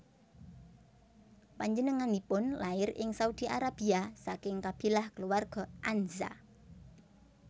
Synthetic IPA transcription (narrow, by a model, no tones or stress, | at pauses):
paɲd͡ʒənəŋanipʊnlaɪrɪŋsaud̪̥iʔaɾab̥iasakɪŋkab̥i̤lahkəluwarɡ̥ɔ̤ʔanza̰